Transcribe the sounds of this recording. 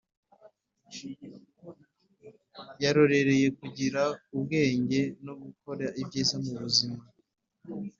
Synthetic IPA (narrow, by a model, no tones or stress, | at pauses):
jaɾo̞ɾe̞ɾe̞je̞kuɟiɾaubɡe̞ːɲɟe̞noɡuko̞ɾaibɟiːzamuβuzima